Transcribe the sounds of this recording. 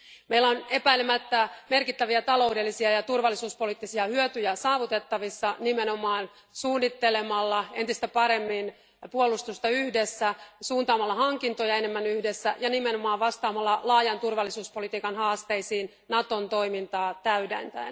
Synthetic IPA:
meilːæone̞pæilemæt̪ːæmerkit̪ːæʋiæt̪ɑlo̞ude̞lːisiɑjɑt̪urʋɑlːisuːspo̞lit̪ːisiɑhyøt̪yjæsɑːʋut̪e̞t̪ːɑʋisːɑnimeno̞mɑːn | suːnːit̪ːelemɑlːɑe̞nt̪ist̪æpɑɾe̞mːin | puolust̪ust̪ɑyhdesːæsuːnt̪ɑːmɑlːɑhɑŋkint̪ojɑenemːænyhdesːæjɑnimenomɑːʋɑst̪ɑːmɑlːɑlɑːjɑnt̪urʋɑlːisuːspo̞lit̪iːkɑnhɑːst̪e̞isiːn | nɑt̪o̞nt̪o̞ijmint̪ɑːt̪æydḛnt̪æ̰in

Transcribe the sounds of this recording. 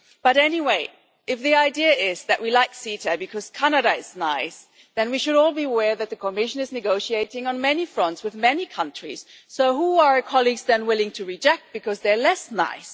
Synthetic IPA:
b̥ʌɾɛniweɪ | ʔɨfðiaɪdiɨɪz̥ðɨʔwilaɪksiɾəbɨkʰʌz̥kʰænɨɾəɪz̥naɪs | ðɨ̃nwiʃɨɾɔlˠbiəwɛɹðɨt̪̚ðɨkʰəmɪʃɨ̃nɨznɨɡoʊʃieɪɾɪ̃ŋə̃nmɛnifɹʌ̃ntswɨðmɛnikʰʌ̃nt͡ʃɹ̥ḭz̥ | soʊɦuə˞kʰɑlˠiɡzðɨ̃nwɪlˠɪ̃ŋtʰɨɹɨd͡ʒɛk̚t̚b̥ɨkʰʌzðə˞lɛsna̰ɪs

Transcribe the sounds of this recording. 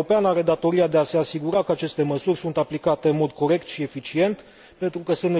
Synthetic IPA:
opeanaɾe̞d̪at̪o̞ɾiad̪e̞ase̞asiɡuɾakəat͡ʃe̞st̪e̞məsurʲsunt̪aplikat̪e̞ɨnmo̞d̪ko̞ɾe̞kt̪ʃie̞fit͡ʃie̞nt̪ | pe̞nt̪ɾukəsɨnt̪

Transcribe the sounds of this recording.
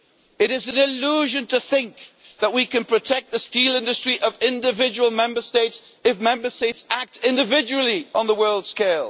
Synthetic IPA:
ɨɾɨzɨ̃nɪluʒɨ̃ntʰɨθɪ̃ŋk̚ | ðəʔ̚wikɨ̃npʰɹ̥ɨtʰɛk̪̚ðɨstilˠɪ̃ndɨstɹ̥iʔʌvɪ̃ndɨvɪd͡ʒəwl̩ˠmɛ̃mbə˞steɪts | ɨfmɛ̃mbə˞steɪtsæk̚tɪ̃ndɨvɪd͡ʒɨl̩ˠiə̃nðəwɜ˞lˠd̥skeɪlˠ

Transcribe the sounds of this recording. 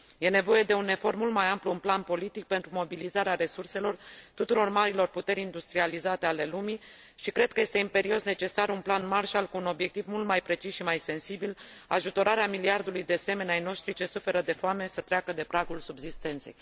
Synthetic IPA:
je̞ne̞vo̞je̞d̪e̞une̞fo̞rt̪mult̪̚majampluːnplanpo̞lit̪ik̚pe̞nt̪ɾumo̞bilizaɾeaɾe̞surse̞lo̞rt̪ut̪uɾo̞rmaɾilo̞rput̪e̞ɾʲind̪ust̪ɾializat̪eale̞lumi | ʃikɾe̞d̪̚kəje̞st̪e̞impe̞ɾio̞sne̞t͡ʃe̞sarunplanmarʃalkuːno̞bje̞k̚t̪ivmult̪majpɾe̞t͡ʃisʃimajse̞nsibil | a̰ʒut̪o̞ɾaɾeamiliard̪ulujd̪ease̞me̞neajno̞ʃt̪ɾit͡ʃe̞sufe̞ɾəd̪e̞foame̞sət̪ɾeakəd̪e̞pɾaɡulsubzist̪e̞nt̪se̞̰j

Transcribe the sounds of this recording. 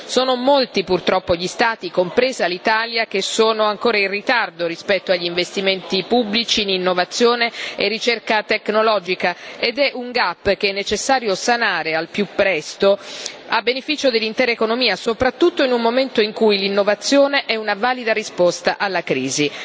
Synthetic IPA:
soːnomolt̪ipurt̪ɾɔpːoʎist̪aːt̪ikompɾeːzialːit̪aːljak̟esoːnoaŋkoːɾairit̪ard̪oɾispɛt̪ːoaʎːiɱvest̪iment̪ipubːlit͡ʃininːovat̪sːjoːneerːit͡ʃerkat̪eknolɔd͡ʒikaed̪ɛʔuŋɡapːk̟eɛnːet͡ʃesːaːɾjosanaːɾealpjupːɾɛst̪oabːenefiːt͡ʃod̪elːint̪ɛːɾaekonomiːasopɾat̪ːut̪ːoinumːoment̪oiŋkujlinːovat̪sːjoːneʔɛunavaːlid̪aɾispost̪aʔalːakɾiːzi

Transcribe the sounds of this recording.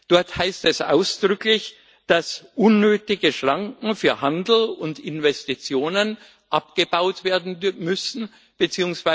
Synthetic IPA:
d̥ɔɐthaɪstɛsʔa̰ʊsd̥ʁʏklɪç | d̥asʔʊnːøːtɪɡəʃʁ̥aŋkŋ̩fyːɐhandl̩ʊndɪnvɛstit͡sjoːnən | ʔapɡ̥əb̥aʊtv̥eːɐdn̩mʏsn̩ | b̥ət͡siːʊŋsv̥a

